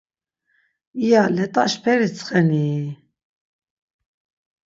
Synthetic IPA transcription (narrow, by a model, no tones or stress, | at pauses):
ijalɛt̪ʼaʃpʰɛɾit͡sʰχɛniː